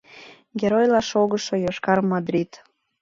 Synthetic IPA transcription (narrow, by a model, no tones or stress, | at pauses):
ɡʲeɾojlɑʃoɣəʃojoʃkɑrmɑd̪ɾʲit̪